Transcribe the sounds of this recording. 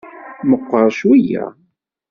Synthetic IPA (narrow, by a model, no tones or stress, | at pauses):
məqʷːəɾˤʃwijæ̰